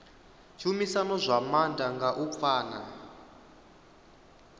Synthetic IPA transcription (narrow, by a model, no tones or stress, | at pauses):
t͡ʃʰumisanɔzʷamandaŋɡaʔup̪faːna